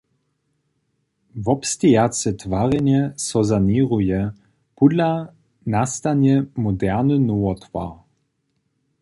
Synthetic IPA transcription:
vɔpst̪ʲijat͡sɛt̪vaʁɛnɛsɔzaniʁujɛ | pud̪la | nast̪anɛmɔd̪ɛʁnɨnuwɔt̪va̰

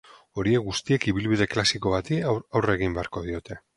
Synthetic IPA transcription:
o̞ɾie̞ɣust̪ie̞kiβilβiðe̞klasiko̞βat̪iawre̞ɣ̞imbe̞aɾko̞ðio̞t̪e̞

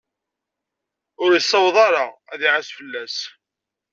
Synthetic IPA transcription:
ʊɾjəsˤːəwðˤɑɾɑæðiʕasfəlːæs

